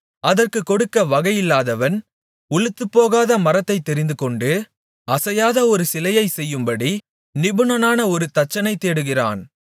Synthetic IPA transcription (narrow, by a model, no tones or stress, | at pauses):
ɐðɐrkɯkːɔɽɯkːɐʋɐɣɐjɪlːaːðɐʋɐn | ʊɭɯt̪ːɯpːoːɣaːðɐmɐɾɐt̪ːɐɪt̪ːɛɾɪnd̪ɯkɔɳɖɯ | ɐsɐjaːðɐɔɾɯsɪlɐjɐɪsɛjːɯmbɐɽi | nɪbɯnɐnaːnɐɔɾɯt̪ɐt͡ʃːɐnɐɪt̪ːeːɽɯɣɪra̰ːn